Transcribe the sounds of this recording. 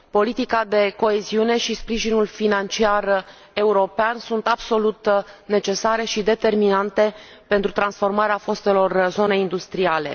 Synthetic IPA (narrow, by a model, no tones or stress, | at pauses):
po̞lit̪ikad̪e̞ko̞eziune̞ʃispɾiʒinulfinant͡ʃiar | e̞uɾo̞peansunt̪ab̥so̞lut̪ne̞t͡ʃe̞saɾe̞ʃid̪e̞t̪e̞rminant̪e̞ | pe̞nt̪ɾut̪ɾansfo̞rmaɾeafo̞st̪e̞lo̞rzo̞ne̞ind̪ust̪ɾiale̞̰